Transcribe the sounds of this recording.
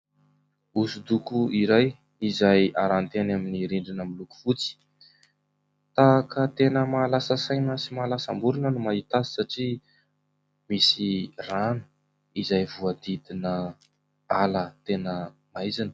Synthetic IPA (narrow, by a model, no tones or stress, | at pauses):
usud̪ukuiɾaj | izajaɾant̪enaminiɾiɳɖ͡ʐinəmiluku̥fut͡si̥ | t̪aːkət̪enəmaːlasəsajnəsimaːlasambuɾinənumaɦit̪asi̥saʈ͡ʂi | misiranu̥ | izajvuad̪id̪inə | alət̪enə | maizanə̥